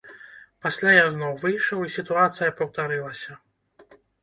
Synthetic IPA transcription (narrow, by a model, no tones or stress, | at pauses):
pasʲlʲajaznɔwvɨjʂɐwisʲit̪uat̪sɨjɐpɐwt̪aɾɨlˠɐsʲɐ